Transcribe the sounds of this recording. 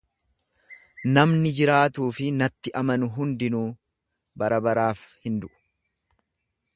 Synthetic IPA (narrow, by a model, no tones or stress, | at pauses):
nɐmnɪd͡ʒɪɾaːt̪uːfɪnɐt̪ːɪʔɐmɐnʊɦʊnd̪ɪnuː | bɐɾɐbɐɾaːfhɪnd̪ʊʔʊ̥